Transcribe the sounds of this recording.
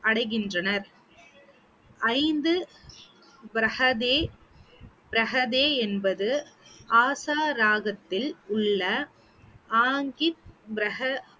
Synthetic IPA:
ʔɐɽɐɪɣɪndrɐnɐɾ | ʔɐɪnd̪ɯ | bɾɐhɐðeː | bɪɾɐɣɐðeːɛnbɐðɯʔaːsaːɾaːɣɐt̪ːɪlʊɭːɐ | ʔaːŋɡɪt̪̚bɾɐɦɐ

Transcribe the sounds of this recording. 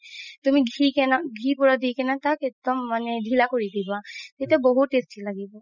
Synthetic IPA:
t̪umiɡʱikɛnaɡʱipɔɹad̪ikɛnat̪akek̚d̪ɔmːanɛdʱilakoɹid̪ibat̪et̪abɔɦut̪ːestilaɡibɔ

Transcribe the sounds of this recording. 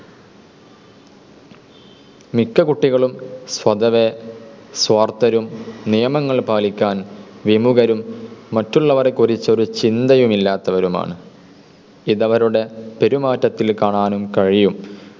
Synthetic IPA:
mikːɐkuʈːiɣɐɭumswɐd̪ɐʋeswɐːrt̪ɐɾumnijɐmɐŋːɐɭpaːlikʲːaːnʋimuɣɐɾumːɐtːuɭːɐʋɐrekurit͡ɕːɐo̞ɾut͡ɕind̪ɐjumilːaːt̪ːɐʋɐɾuma̰ːɳɨ | iðɐʋɐɾuɽe̞pe̞ɾumaːtːɐt̪ːilkaːɳaːnumkɐɻijum

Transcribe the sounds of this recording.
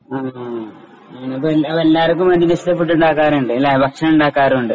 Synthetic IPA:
aː | nɐpːoelɐʋɐelːaːrk̬ːumʋɐnd̪inɐsɕit̪ːɐpːeʈ̬ːuɳɖaːkːaːɾuɳɖɨelːaːbɐkʂɐnuɳɖaːkːaːɾuɳɖɨ

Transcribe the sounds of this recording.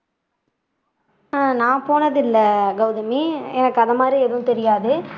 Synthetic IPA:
nãːpoːnɐðɪlːɐɡɐʊðɐmiɛnɐkːɯɐðɐmaːd̪ɾiɛðɯʋʊ̃t̪ɛɾɪjaːðɯ

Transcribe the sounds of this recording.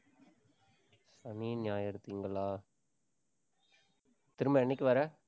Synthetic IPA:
sɐniːnɪjaːjɐɾɯt̪ːiːŋɡɐɭaː | t̪ɪɾɯmbɐɛɳːɪkʲːɪʋɐɾɐ

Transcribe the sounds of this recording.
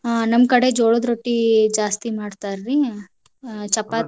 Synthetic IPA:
nɐmkɐɽed͡ʒoːɭod̪ɾoʈːid͡ʒaːst̪imaːɽt̪aːɾɾi | t͡ʃɐpːa

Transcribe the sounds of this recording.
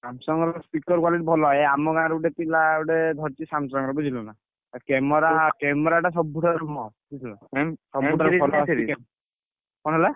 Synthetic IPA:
samsɔŋɡɾspikɔɾkwaliʈibʱɔlɔjɛamɔɡaɾuʈɛt̪ilauʈɛd̪ʱɔɾt̪isamsɔŋɾɔbuzilɔna | kɛmɔɾakɛmɔɾaʈas̬ɔb̚bʱuʈʰaɾmɔkʰisilɔsɔbʱuʈʰaɾɔlɔsikɛ | kɔnɦɔlɛ

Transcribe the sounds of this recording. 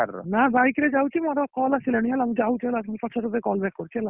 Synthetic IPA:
a̰ɾɔ̰nabajkɾed͡ʒawt͡ʃʰimɔɾɔkɔlasilaniɦɛlamud͡ʒawt͡ʃʰiɦɛlasmupɔt͡ʃʰɔɾɔbekɔlbɛkkɔɾt͡ʃʰiɦɛla

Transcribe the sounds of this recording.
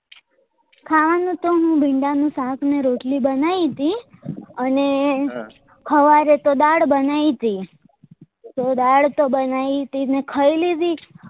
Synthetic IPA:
kʰaʋanũt̪oɦũbʱiɳɖanũsãk̪ʰmeɾoʈlibənait̪iəne | kʰəʋaɾet̪od̪aɽbənait̪i | t̪od̪aɽt̪obənait̪inekʰəilid̪i

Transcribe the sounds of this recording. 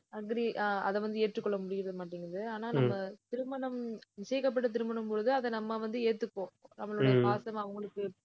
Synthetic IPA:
ɐɡɐɾiʔaːʔɐ̰ðɛʋɐnd̪ɯeːʈrɯkːɔɭːɐmʊɽɪɣɪɾɐðɯmaːʈːiŋɡɪɾɐðɯaːnaːnɐmːɐt̪ɪɾɯmɐɳɐmnɪt͡ʃɐjɐkːɐp̬ːɐʈːɐt̪̬ɪɾɯmɐɳɯmpoːɯðɯɐðɛnɐmːaʋɐnd̪ɯeːʈt̪ːɯkːõːnɐmːɐɭɯɽɐjɐɐpaːsɐmɐʋɐŋɡɐɭɯkːɯ

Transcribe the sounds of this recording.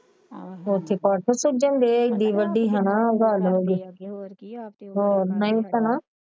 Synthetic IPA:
oːt̪ʰːeːpaːʈʰosʊd͡ʒənd̪eːɪk̚d̪iːʋəɖːiːɦənaɡaːlɦoːɡeː | ɦoːnəĩːt̪ənaː

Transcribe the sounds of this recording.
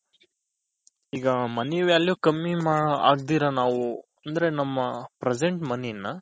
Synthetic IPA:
iːɡɐmɐniʋaːljukɐmːimaːɽɐa̰ːɡ̚d̪iːɾɐnaːʋu | ɐnd̪ɐɾe̞nɐmːɐpɾed͡ʒeɳʈmɐnɛjnːɐ

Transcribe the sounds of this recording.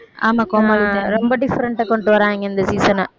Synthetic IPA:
a̰ːmãːkɔmɐɾɔmbɐɖɪfːɐɾɐɳʈaːkɔɳɖɯʋɐɾãːɛŋɡɐɪnd̪ɐsiːsɐnɐ

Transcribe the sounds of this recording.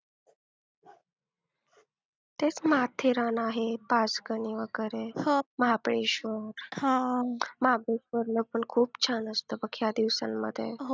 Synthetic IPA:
t̪et͡smaɦat̪ʰeɾanaɦepat͡sɡəniʋəɡəɾeməɦapɽeɕʋəɾhaməɦapɽeʃʋəɾləɡ̚pəɳkʰuːbt͡ɕʰanəst̪obəkʰjad̪iʋsa̰nmːə̰d̪ʱjḛɦ

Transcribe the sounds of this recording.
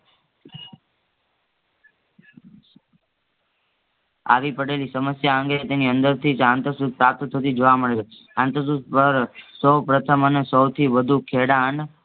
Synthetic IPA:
a̰ʋipəɽelisəməsjaə̃ŋɡet̪eniənd̪əɾt̪ʰid͡ʒãnt̪əɾsut̪̚pɾap̚t̪t̪ʰət̪id͡ʒoʋaməɭeʃe | ãnt̪əs̬ut̪pəɾsəwpɾət̪ʰəmənesəwt̪ʰiʋəd̪ʱukʰeɽan

